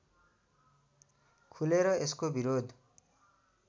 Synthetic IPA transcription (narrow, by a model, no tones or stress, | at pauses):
kʰuleɾʌeskobiɾod̪ʱ